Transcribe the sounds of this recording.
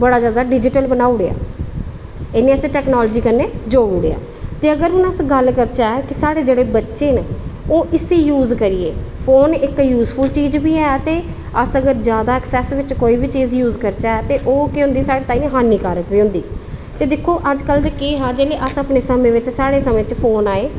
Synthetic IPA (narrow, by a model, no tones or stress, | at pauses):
bəɽaːd͡ʒjaːd̪aːɖɪd͡ʒɪʈəlbənaːʊɽeːa̰ː | enẽːəseːʈɛːknaːlːd͡ʒiːkəneːd͡ʒoːɽuɽḛa̰ː | t̪eːəɡəɾʊnəsɡəlkəɾt͡ʃaːɛːkɪsaːɽeːd͡ʒeːɽeːbətːʃeːnoːʔɪsiːjuːzkəɾɪːḛːpʰoːnɪkjuːzpʰʊlt͡ʃiːd͡ʒbiːɛːt̪eː | əsəɡəɾd͡ʒjaːd̪aːɛksɛːsʋɪt͡ʃkoːiːbiːt͡ʃiːzjuːzkəɾt͡ʃaːɛːt̪eːʔoːkeːɦʊ̃nd̪iːsaːɽeːt̪aːĩɦaːniːkaːɾəʈbiːõːnd̪ḭː | t̪eːd̪ɪkʰːoːʔəd͡ʒkəld̪ekeːɦaːd͡ʒeːleːʔəsəpneːsəmẽːʋɪt͡ʃsaːɽeːsəmẽːt͡ʃpʰoːnaːeː